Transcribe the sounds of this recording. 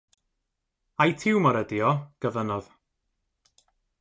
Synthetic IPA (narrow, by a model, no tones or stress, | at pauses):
ajtʰɪwmɔɾədjɔɡ̥əvənɔð̥